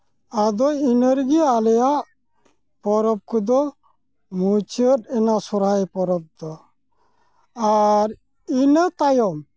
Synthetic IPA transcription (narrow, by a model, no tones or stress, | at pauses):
ad̪ɔinəɾɡialɛjaʔ | pɔɾɔb̚kud̪ɔ | mut͡ʃət̪ɛnasɔɾajpɔɾɔb̚d̪ɔ | aɾ | inət̪ajɔm